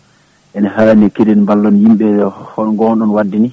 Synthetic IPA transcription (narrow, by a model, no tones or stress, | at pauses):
ʔɛnahaːnɛkedinmbalːɔnjimɓɛhɔɗɔŋɡɔnɗɔnwadːini